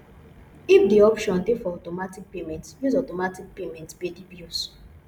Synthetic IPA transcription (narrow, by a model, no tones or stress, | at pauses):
ifdiɔpʃɔ̃ntefɔɔtɔmatik̚pemɛ̃ntjuzɔtɔmatik̚pemɛ̃ntbedibjus